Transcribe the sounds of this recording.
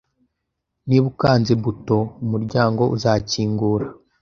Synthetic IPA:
niβukaːnzeβuto̞umuɾɟaːŋɡo̞ʔuzaːciːŋɡuːɾa

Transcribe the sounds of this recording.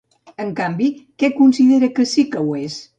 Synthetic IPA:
əŋkambikɛkunsiðeɾəkəsikəwes

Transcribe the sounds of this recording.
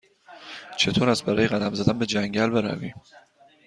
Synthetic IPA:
t͡ʃʰe̞t̪ʰoːɾæst̪̚bæɾɒːjeɣæd̪æmzæd̪ænbe̞d͡ʒæŋɟælbe̞ɾæ̰vḭ

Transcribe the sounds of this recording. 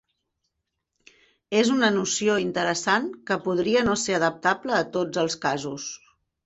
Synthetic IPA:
ezunənusioint̪əɾəsankəpuð̞ɾiənoseɾəðəp̚t̪apləːt̪od͡zəlˠskazus

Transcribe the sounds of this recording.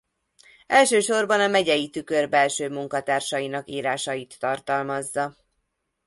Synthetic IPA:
ɛlʃøːʃo̞rbɒnɒmɛɟɛjit̪ykørbɛlʃøːmuŋkɒt̪aːrʃɒjinɒkiːɾaːʃɒjit̪ːɒrt̪ɒlmɒzːɒ

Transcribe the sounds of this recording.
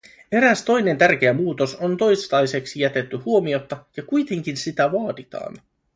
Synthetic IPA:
e̞ɾæst̪o̞jne̞nt̪ærk̟e̞æmuːt̪o̞so̞nt̪o̞jst̪ɑjse̞ksijæt̪e̞t̪ːyhuo̞mio̞t̪ːɑjɑkujt̪e̞ŋk̟insit̪æʋɑːdit̪ɑ̰ːn

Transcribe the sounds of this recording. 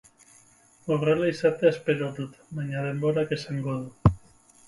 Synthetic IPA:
oɣɾelejsat̪easpeɾot̪ut̪maɲaðemboɾakeseŋɡoðu

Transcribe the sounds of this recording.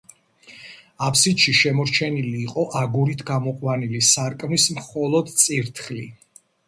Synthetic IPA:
apʰsid̪ʃiʃɛmɔɾt͡ʃʰɛniliːqʼɔʔaɡuɾit̪ʰɡamɔqʼwanilisaɾkʼmnismχɔlˠɔd̪t̪sʼiɾt̪ʰχli

